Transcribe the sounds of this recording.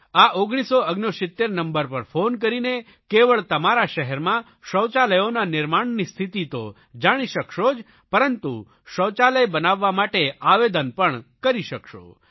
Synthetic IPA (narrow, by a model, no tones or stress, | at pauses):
aʔoɡɽ̃isoəɡnosɪt̪ːeɾnəmbəɾpəɾfonk̬əɾine | keʋəɭt̪əmaɾaʃəɦɛɾmã | ʃəwt͡ʃaləjonanɪɾmaɳnist̪ʰit̪it̪o | d͡ʒaɽ̃iʃəkʃod͡ʒ | pəɾənt̪u | ʃəwt͡ʃaləjbənaʋːamaʈeaʋed̪ənpəɳkəɾiʃəkʃo̰